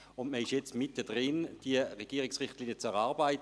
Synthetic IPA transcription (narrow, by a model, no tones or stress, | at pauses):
ʊndməɪʃjɛt͡stmɪtːəd̥ʁɪnd̥iəʁeɡ̥iːəʁɪksʁɪχtliːnjət͡sɛʁɑːʁbaɪt